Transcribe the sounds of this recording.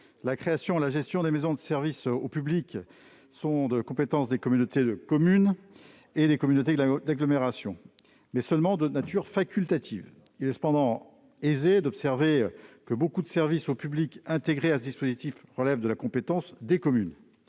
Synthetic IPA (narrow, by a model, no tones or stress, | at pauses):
lakχeasjɔ̃elaʒɛst̪jɔ̃d̪emezɔ̃d̪əsɛʁvisopyblik | sɔ̃d̪əkɔ̃pet̪ɑ̃sd̪ekɔmynot̪ed̪əkɔmyn | ed̪ekɔmynot̪ed̪aɡlɔmeʁasjɔ̃ | mɛsœlmɑ̃d̪ənat̪yʁfakʲylt̪at̪ʰiv | ilɛsə̥pɑ̃d̪ɑ̃ | ezed̪ɔpsɛʁvekəbokud̪əsɛʁvisopyblikɛ̃t̪eɡʁeasəd̪ispozit̪ifʁəlɛvd̪əlakɔ̃pet̪ɑ̃sd̪ekɔmyn